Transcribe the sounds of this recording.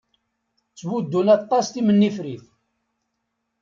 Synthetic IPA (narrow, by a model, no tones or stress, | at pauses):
t͡sːwud̪ːunɑt̪ˤːɑst̪imənːifɾiθ